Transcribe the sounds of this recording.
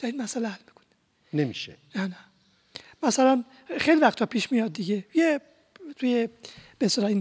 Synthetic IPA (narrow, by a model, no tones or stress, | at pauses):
d̪̥ɒɾinmæsælehælmikʰo̥ni | nemiʃḛjɒnæ | mæsælæn | xejlivæxt̪ʰːɒpʰiːʃmijɒd̪̚d̪iɡeje | t̪ʰujeb̥est̪elɒin